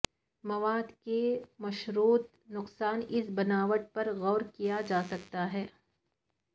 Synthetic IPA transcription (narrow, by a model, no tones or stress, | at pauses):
mɐʋaːd̪kemɐʃɾuːt̪ | nʊqsaːnɪsbɐnaːʋəʈ̚pɐɾɣɔːɾkijad͡ʒaːsɐkt̪aɦɛː